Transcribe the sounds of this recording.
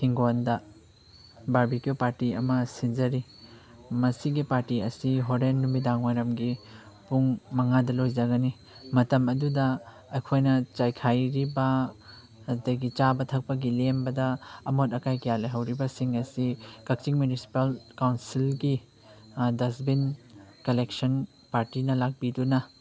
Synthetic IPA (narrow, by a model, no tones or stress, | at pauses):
hʰiŋɡondɐ | baɾbikijopaɾtiɐmɐsinzɐɾi | mɐsiɡipaɾtiɐsiɦoɾenːumidaŋwajɾɐmɡi | puŋmɐŋadɐlojzɐɡɐni | mɐtɐmɐdudɐː | jkʰojnɐt͡ʃajkʰajɾibɐ | ɐdɐɡit͡ʃabɐtʰɐk̚pɐɡilembɐdɐːmotɐkajkijalɐjɦɐwɾibɐsiŋɐsikɐk̚t͡ʃiŋmjunisi̥palkawnsilɡi | dɐsbinkɐlek̚sɐn | paɾtinɐlak̚bidunɐ